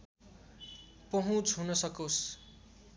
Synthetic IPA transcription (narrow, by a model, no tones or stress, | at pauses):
pʌɦũt͡sɦunʌsʌkos